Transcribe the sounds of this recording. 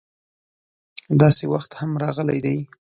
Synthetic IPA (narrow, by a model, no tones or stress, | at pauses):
d̪ɑsewaxt̪hamɾɑɣəla̰jd̪aj